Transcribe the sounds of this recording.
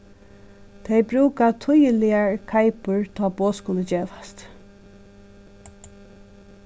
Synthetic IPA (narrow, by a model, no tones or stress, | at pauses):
t̪ʰɛjbɾʉːkat̪ʰʊjəlɪaɹkʰaɪpʊɹt̪ʰɔːboːskʊləd͡ʒeːʋast̪